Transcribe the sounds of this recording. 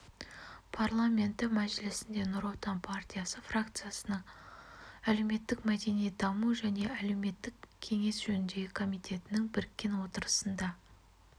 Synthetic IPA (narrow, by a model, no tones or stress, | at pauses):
pʰarlˠamʲe̞nt̪ːɪmæʒɪlɪsɪnd̪e̞nʊɾot̪ɑnpʰart̪ʲijasəfrakt̪sɨjasənəɴ | ælewme̞t̪ːɪkmæd̪e̞nijd̪ɑmuʒæne̞æle̞wme̞t̪ːɪkkʲʰe̞ŋe̞sʒ̥ɵnɪnd̪e̞ɡʲɪkʰo̞mijt̪ʰe̞t̪ɪnɪŋbɪɾɪkʲːe̞nwo̞t̪əɾəsənd̪ɑ